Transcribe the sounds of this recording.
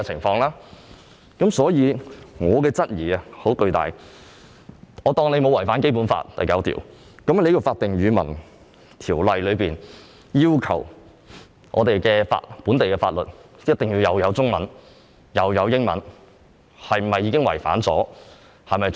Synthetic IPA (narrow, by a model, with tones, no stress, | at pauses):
ɛ˧t͡sʰɪ˨˩ŋfɔː˧ŋlaː˥ | kɐ˨˥msɔː˨˥jiː˨˧ŋɔː˨˧kɛː˧t͡sɐ˥t̚jiː˨˩ɐ˨ho˨˥wkɵ˧ɥt̪a̰ː˨˩j | ɔː˨˧t̪ɔː˧ŋle˨˧mo˨˧wɐ˨˩jfaː˨˥nk̬e˥jp̬uː˨˥nfa̰ː˧t̚t̪ɐ̰˨jkɐ˨˥wt̪ʰḭː˨˩w | kɐ˨˥m˨le˨˧jɔ˨˧wfaː˧t̚t̪ɪ˨ŋjyː˨˧mɐ̰˨˩n | t̪ʰiː˨˩wlɐ˨jlɵ˨˧ɥpiː˨n | jiː˥wkʰɐ̰˨˩w | ŋʔɔ̰ː˨˧t̪e˨jkɛː˧fa̰ː˧t̚puː˨˥nt̪e˨jkɛː˧faː˧t̚lɵ˨t̚jɐ˥t̚t̪ɪ˨ŋjiː˧wjɐ˨˧wjɐ˨˧wt͡sʊ˥ŋmɐ̰˨˥n | jɐ˨˧wjɐ˨˧wjɪ˥ŋmɐ̰˨˥n | hɐ˨jm̩˨˩mɐ˨jːiː˨˧kɪ˥ŋwɐ̰˨˩jfa̰ː˨˥nt͡sɔ̰ː˨˥ | hɐ˨jmɐ˨j